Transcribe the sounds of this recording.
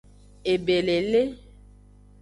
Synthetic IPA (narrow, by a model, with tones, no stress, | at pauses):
e˨be˨le˨le˦